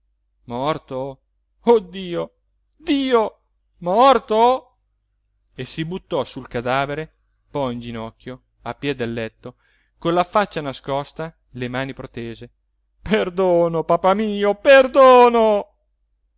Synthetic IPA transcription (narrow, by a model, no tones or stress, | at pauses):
mɔrt̪o | od̪ːiːo | d̪iːo | mɔrt̪o | esibut̪ːɔsulkad̪aːveɾe | pɔjind͡ʒinɔkʲːjo | apːjɛd̪elːɛt̪ːo | konlafat͡ʃːanaskɔst̪a | lemaːnipɾot̪eːze | perd̪oːnopapamiːoperd̪oːno